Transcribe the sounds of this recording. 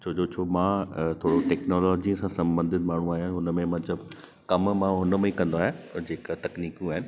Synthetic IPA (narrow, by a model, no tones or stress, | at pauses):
t͡ɕʰoːd͡ʑot͡ɕʰoːmãːt̪ʰoːɽoʈɛːknɔːlɔːd͡ʑĩsãsɐ̃mbə̃nd̪ʱɪd̪̚maːɳ̤ũaːɦijãɦʊnəmẽmɐ̃t̪ləb | kɐmmãɦʊnə̆mẽkɐ̃nd̪oaːɦẽd͡ʑeːkət̪ɐkniːkjũaːɦɪnɪ̆